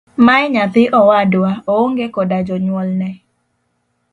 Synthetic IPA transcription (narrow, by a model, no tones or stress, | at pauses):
maɛɲat̪ɪʔɔwadwaooŋɡekɔdad͡ʒɔɲwɔlnɛ